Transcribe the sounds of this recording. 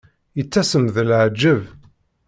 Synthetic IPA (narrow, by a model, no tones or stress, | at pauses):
jət͡sːæsəmðəlʕd͡ʒːəv